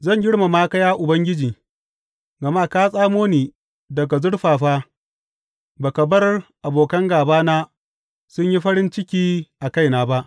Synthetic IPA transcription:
zɐ˦˨ɲɡʲɪ˦ɽma˨maː˦kɐ˦jaː˦ʔʊ˨bɐ˦ŋɡʲɪ˦d͡ʒiː˨ | ɡɐ˨maː˦˨kaː˦sʼaː˦moː˦niː˨ | dɐ˨ɡa˨zʊ˦ɽɸaː˨ɸaː˦ | baː˨kɐ˨bɐ˦rʔa˨boː˨kɐ˦ŋɡaː˨baː˦naː˦ | sʊ˦ɲji˦ɸɐ˦ɾɪ˦nt͡ʃɪ˦kʲiː˦ʔa˨ka˦jnaː˨ba˦ʔ

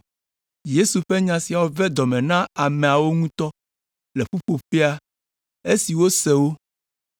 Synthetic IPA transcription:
je˦su˨ɸe˦ɲã˨si˨a˨wo˦vɛ˦d̪ɔ˨mɛ̃˨nã˦a˨mɛ̃˨a˨wo˦ŋũ˦t̪ɔ˦ | le˨ɸu˦ɸo˨ɸe˦a˦ | e˦si˨wo˦sɛ˨wo˦

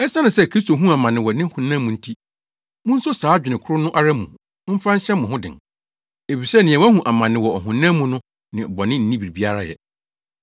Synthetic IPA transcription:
ɛ˦sa˦nʊ̃˨sɛ˦˨kʰɾi˦s̬to˨ɦũ˦a˨mã˨nɪ̃˨wɔ˨nɪ̃˦hʊ̃˨nã˦mũ˨n̩˦tʰi˦ | mʊ̃˦n̩˦sʊ˦saː˨˦d͡ʑᶣɪ˨nɪ̃˨kʰʊ˦ɾʊ˦nʊ̃˦ʔa˦ɾã˦mũ˨ | m̩˦fã˦n̩˦ɕɛ˦mʊ̃˨hʊ̃˦dɪ̰̃˨n | e˨fi˨sɛ˦nɪ̃˨ɛ̃˨wɛ̃˦hũ˨ʔa˨mã˨nɪ̃˨wɔ˨ɔ˨ɦʊ̃˨nã˦mũ˨nʊ̃˦ | nɪ̃˨bɔ˨nɪ̃˦n̩˦nĩ˦bi˨bi˦a˦ɾa˦jɛ̰˨

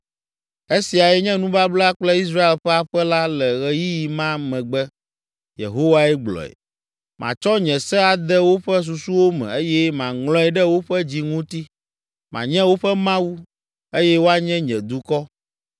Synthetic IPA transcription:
e˦si˨a˨jɛ˦ɲɛ̃˦nũ˦ba˦bla˦k͡plɛ˦i˦s̬ɾa˦e˨lɸɛ˦a˦ɸɛ˦la˦lɛ˨ɣɛ˨ji˦ji˨mã˦mɛ̃˨ɡ͡bɛ˦ | jḛ˨ɦo˦wa˦ɛ˦ɡ͡blɔ̰˨ɛ̰˨ | mã̰˨t͡ʃɔ˦ɲɛ̃˨sɛ˦a˨d̪ɛ˦wo˦ɸɛ˦s̬u˨su˦wo˦mɛ̰̃˨e˦jɛ˦mã˨ŋlɔ̃˦ɛ˨ɖɛ˦wo˦ɸɛ˦d͡ʑi˦ŋũ˦t̪i˦ | mã̰˨ɲɛ̃˦wo˦ɸɛ˦mã˦wu˦ | e˦jɛ˦wo˦a˦ɲɛ̃˦ɲɛ̃˨d̪u˨kɔ˦

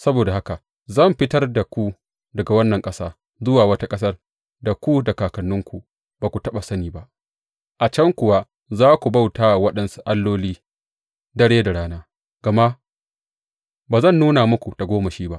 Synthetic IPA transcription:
sɐ˦boː˨da˨ha˦ka˨ | zɐ˦˨mɸɪ˦tɐ˦rda˨kʷu˦ | dɐ˨ɡa˨wɐ˦nːɐ˨ŋkʼɐ˦saː˦ | zʊ˦waː˨wɐ˦ta˦kʼɐ˦s̬ɐ˦r | da˨kʷu˦da˨kaː˨kɐ˨nːʊ˦ŋkʷu˨ | b̥aː˨kʷu˨tɐ˦ɓa˨sɐ˦niː˨ba˦ʔ | ʔa˨t͡ʃɐ˦ŋkʷʊ˨wa˦ | zaː˦kʷu˨ba˦˨wtaː˦˨wɐ˦ɗɐ˦nsu̥˦ʔa˦lːoː˦liː˦ | dɐ˦ɽeː˦da˨ɽaː˦naː˦ | ɡ̥a˨ma˦ | baː˨zɐ˦˨nːuː˦na˨mʊ˦kʷu˨d̥a˨ɡʷoː˦mɐ˨ʃiː˦ba˦ʔ

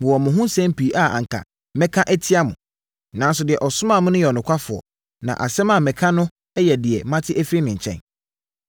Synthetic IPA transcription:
mɪ̃˨wɔ˨mʊ̃˨ɦʊ̃˦sɛ̃˦m˦pi˨˦ʔa˨ã̰˨ŋ̩˨kʰa̰˨ | mɛ̃˦kʰã˦ʔɛ˦tʰɪ˦a˦mʊ̃˨ | nã˨˦n˦sʊ˨dɪ˨ɛ˨ʔɔ˨sʊ˦mã˦˨mʊ̃˦nʊ̃˦jɛ˨ɔ˨nʊ̃˨kʷʰa˦fʊ˨ɔ̰˨ | nã̰˨ʔa̰˨sɛ̃˦ma˨mɛ̃˨kʰã˦nʊ̃˦ | ɛ˦jɛ˨dɪ˨ɛ˨mã˦tʰɪ˦ʔæ˦fɾi˦nɪ̃˨ɲ̩˨t͡ɕʰɛ̰̃˦n

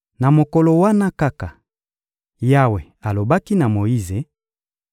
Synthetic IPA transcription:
na˨mo˨kɔ˨lo˨wa˦na˦ka˦ka˨ | ja˦we˨ | a˨lo˨ba˦ki˦na˨mo˨ji˦ze˨

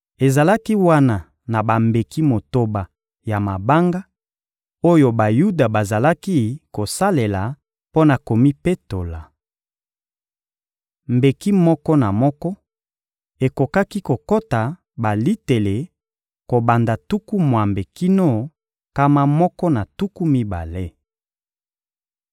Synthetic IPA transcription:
e˨za˨la˦ki˦wa˦na˨ | na˨ba˨mbe˨ki˦mo˨to˦ba˨ | ja˨ma˨ba˦ŋɡa˦ | o˦jo˦ba˨ju˦da˨ba˨za˨la˦ki˦ko˨sa˦le˨la˨ | po˦na˨ko˨mi˦pe˦to˨la˨ | mbe˨ki˦mɔ˦kɔ˦na˨mɔ˦kɔ˦ | e˨ko˨ka˦ki˦ko˨ko˦ta˨ | ba˨li˦te˨le˨ | ko˨ba˨nda˨tu˦ku˦mwa˨mbe˨ki˦no˦˨ | ka˦ma˦mɔ˦kɔ˦na˨tu˦ku˦mi˦ba̰˨le˦

